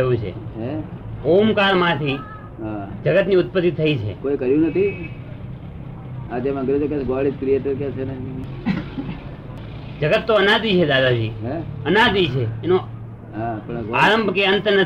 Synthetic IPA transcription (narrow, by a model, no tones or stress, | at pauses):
jũt͡ʃʰḛeomkaɾmãt̪ʰi | ɦad͡ʒəɡət̪niʊt̪̚pət̪ːit̪ʰːəit͡ʃʰḛkoikəɾjũnət̪ʰi | ad͡ʒeməɡɾed͡ʒoket͡ʃʰɡoaɭid͡ʒkɾieʈəɾket͡ʃʰene | d͡ʒəɡət̪ːoənad̪it͡ʃʰed̪ad̪ad͡ʒḭɦeənad̪it͡ʃʰeːno | ɦãpəɳaɾəmbʱkeənt̪nə